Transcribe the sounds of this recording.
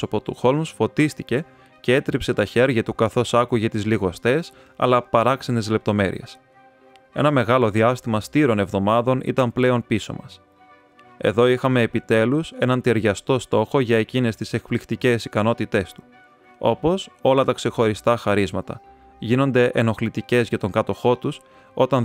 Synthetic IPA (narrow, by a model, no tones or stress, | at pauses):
opot̪uxo̞lmsfo̞t̪ist̪ice̞ | ce̞e̞t̪ɾipse̞t̪ɐçe̞ɾʝɐt̪ukɐθo̞sɐkuʝe̞t̪izliɣo̞st̪e̞s | ɐ̰lɐpɐɾɐksenizle̞p̚t̪o̞me̞ɾḭe̞̰s | e̞̰nɐme̞ɣɐlo̞ðiɐst̪imɐst̪iɾo̞ne̞vðo̞mɐðo̞nḭt̪ɐmple̞o̞npiso̞̰mɐs | e̞̰ðo̞ixɐme̞ːpit̪e̞luse̞nɐnt̪eɾʝɐst̪o̞st̪o̞xo̞ʝɐe̞cine̞st̪ise̞kplixt̪ice̞sikɐno̞t̪it̪e̞st̪u̥ | o̞po̞so̞lɐt̪ɐkse̞xo̞ɾist̪ɐxɐɾizmɐt̪ɐ̰ | ʝino̞nd̪e̞ʔḛno̞xlit̪ice̞zʝɐt̪o̞ŋkɐt̪o̞xo̞t̪us | o̞t̪ɐn